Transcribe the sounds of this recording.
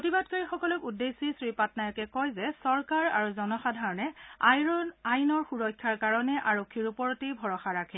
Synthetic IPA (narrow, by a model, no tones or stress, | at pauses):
otibadkaɹixɔkɔlɔkudːesisɹipatnajɔkɛkɔjzɛsɔɹkaɹa̰ɹuzɔnɔxadʱaɹɔnɛajajnɔɹxuɹɔjkʰːaɹkaɹɔnɛʔaɹokʰːiɹupɔɹɔtibʱɔɹɔxaɹakʰɛ